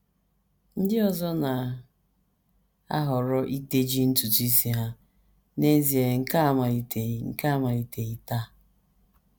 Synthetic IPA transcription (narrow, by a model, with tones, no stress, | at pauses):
n̩˦dɪ˦ɔ˨zɔ˦na˨ | a˦ɦʊ˨ɾɔ˦ʔi˦te˦d͡ʒi˦n̩˦tu˨ti˦si˦ɦa˦ | ne˦zi˨e˨ŋ̩˦ka˦a˦˨ma˨i˨te˨ŋ̩˦˨ka˦a˦ma˨i˨te˨ɣi˦ta˦˨